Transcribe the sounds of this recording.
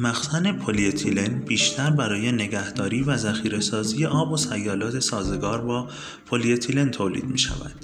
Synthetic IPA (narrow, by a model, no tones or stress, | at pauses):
mæxsæne̞pʰoliet̪ʰilenbiːʃt̪ʰæɾbæɾɒːje̞ne̞ɡæhd̪ɒːɾiːvæzæxiːɾe̞sɒːziːje̞ʔɒːbosæjːɒːlɒːt̪ʰe̞sɒːze̞ɡɒːɾbɒː | pʰoliet̪ʰilent̪ʰoːlḭːd̪miːʃæ̰væ̰d̪̥